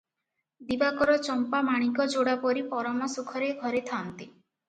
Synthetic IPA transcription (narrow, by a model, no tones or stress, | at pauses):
d̪ibakɔɾɔt͡ʃɔmpamaɽ̃ikɔd͡ʒoɽapɔɾipɔɾɔmɔsukʰɔɾeɡʱɔɾet̪ʰant̪i